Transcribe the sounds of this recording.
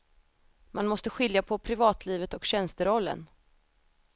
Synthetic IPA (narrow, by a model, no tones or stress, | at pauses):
manmɔst̪əɧɪljapʰɔpʰɾɪvɑːt̪ʰliːvət̪ɔkɕɛnst̪əɾɔlːə̰n